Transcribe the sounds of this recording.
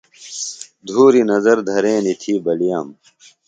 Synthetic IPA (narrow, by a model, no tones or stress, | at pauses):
d̪ʱuːɾinɐzɐɾd̪ʱɐɾeːnit̪ʰiːbɐlijaːm